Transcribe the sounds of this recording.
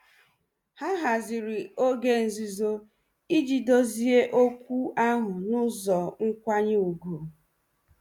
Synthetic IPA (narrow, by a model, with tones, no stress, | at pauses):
ha˦ɦa˨zɪ˨ɾi˨o˦ɡe˦n̩˨zi˦zo˦ | i˦d͡ʒi˨do˦zi˦e˦ʔo˦kʷu˦a˦ɦʊ˨nʊ˦zɔ˨ŋ̩˦kʷa˦ɲɪ˦u˨ɡo˨